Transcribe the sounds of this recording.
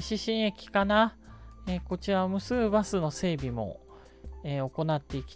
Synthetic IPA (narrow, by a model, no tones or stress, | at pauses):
ɕiɕĩɰ̃e̞kʲi̥kanaeːko̞t͡ɕiɾamɯ̟sɨːbasɨno̞se̞ːbʲimo̞̰ | eːo̞ko̞nat̪ːe̞ikʲi̥